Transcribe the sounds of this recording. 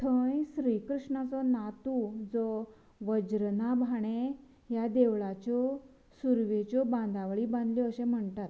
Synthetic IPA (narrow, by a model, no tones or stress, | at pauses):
t̪ʰə̃jɕɾiːkɾuʂɳat͡sɔnat̪ud͡zɔ | ʋəd͡ʑɾnabʱaɽ̃e | jad̪eʋɭat͡ɕɔ | suɾʋet͡ɕɔbãnd̪aʋɭiːbãnd̪ljɔəɕẽm̤əɳt̪at̪